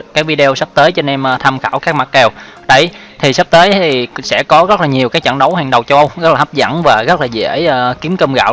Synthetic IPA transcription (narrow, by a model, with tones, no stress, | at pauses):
kaː˨˦˥jvi˧ɗe˧o˧wsə˦˥p̚t̪əː˨˦jt͡ɕɔ˧ne˧mː˧t̪ʰa˧mxaː˧˩wkaː˦˥k̚ma˨˩t̚kɛ˨˩w | ɗə˧˩j | t̪ʰi˨˩sp̚t̪əː˨˦jʰi˨˩sɛ̰˧˥kɔ˨˦ɣə˦˥t̚laː˨˩ɲi˨˩əwkaː˨˦jt͡ɕə̰˧˨nɗə˨˦wɦaː˨˩ŋɗə˨˩wt͡ɕɔ˧wʔə˧wɣt̚laː˨˩a˦˥p̚zə̰˧˩nvaː˨˩ɣə˦˥t̚laː˨˩zḛ˧˥˧ki˨˦əmkə˧mɣa̰ː˧˨